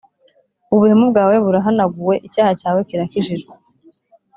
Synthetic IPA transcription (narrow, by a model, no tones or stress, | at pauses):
uβuhemub̚ɡaːwe̞βuɾaɦanaɡuwe̞ʔicaːhacaːwe̞kiɾakiʒiʒɡe